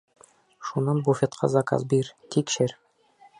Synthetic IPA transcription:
ʃunɑnbufʲet̪qʰɑ̰zɑkɑ̰zbiɾt̪ʰikʃɘɾ

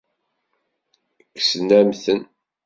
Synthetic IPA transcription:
kːsnæmθən

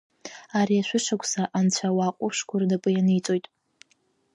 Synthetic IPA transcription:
aɾiaʃʷᶣʊʂakʷʰʼsaʔant͡ɕʷʰawaqʷʼʊʂkʷʰʊrnapʼɨjanɨjt͡sʼo̞jtʼ

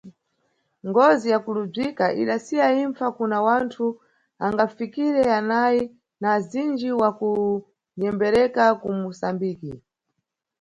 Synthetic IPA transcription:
ŋɡɔzijakulub͡ʐikaʔḭɗasiaiɱfakunawantʰu | aŋɡafikiɾɛanaji | nazind͡ʒiwaku | ɲɛmbɛɾɛkakumusambiːki

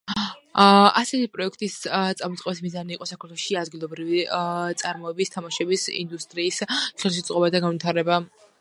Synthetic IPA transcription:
asɛt̪ʰipʼɾɔɛkʰt̪ʼist̪sʼamɔt̪sʼqʼɔbismizaniːqʼɔsakʰaɾt̪ʰɛlˠɔʃiad̪ɡilˠɔbɾivit̪sʼaɾmɔɛbist̪ʰamaʃɛbisḭnd̪ust̪ʼɾiːsχɛlˠʃ̬it̪sʼqʼɔbad̪aɡanvit̪ʰaɾɛba

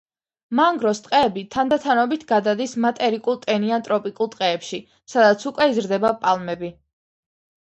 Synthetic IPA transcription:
maŋɡɾɔst̪ʼqʼɛːbit̪ʰand̪at̪ʰanɔbit̪ʰɡad̪ad̪ismat̪ʼɛɾikʼulˠt̪ʼɛniant̪ʼɾɔpʼikʼulˠt̪ʼqʼɛːpʃi | sad̪at̪sʰukʼwɛizɾd̪ɛbapʼalˠmɛbi

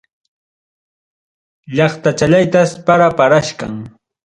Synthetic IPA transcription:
ʎɑχt̪at͡ʃaʎajt̪aspaɾapaɾaʃka̰ŋ

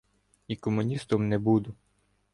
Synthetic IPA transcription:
ikɔmʊnʲist̪ɔmnɛbud̪ʊ

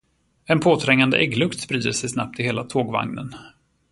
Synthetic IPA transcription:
ɛnpʰoːt̪ʰɾɛŋːand̪ə̰ʔɛɡlɵkt̪spɾiːd̪əʂɛjsna̰p̚t̪ɪheːlat̪ʰoːɡva̰ŋnə̰n

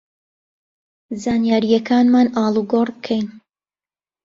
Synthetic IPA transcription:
zaːnjaːɾijɛkʰaːnmaːnʔɑːlˠuɡorkʰɛjn

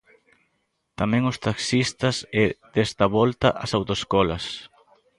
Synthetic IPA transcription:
t̪amɛ̃ŋʊst̪aksist̪ɐsed̪̥est̪ɐβɔlt̪ɐʔɐsawt̪oeskɔlɐs

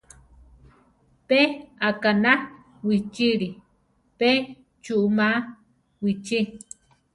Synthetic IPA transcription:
peakana | wit͡ʃiɺi | pe | t͡ʃuʔuma | wit͡ʃi

